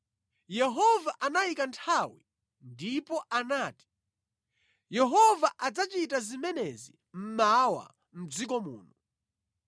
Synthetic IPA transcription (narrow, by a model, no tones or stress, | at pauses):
jɛɦɔvaʔanajikantʰawi | ndipɔʔanaːti̥ | jɛɦɔvaʔad͡zat͡ʃitazimɛnɛzi | m̩mawa̰ | m̩d͡zikɔmṵːnu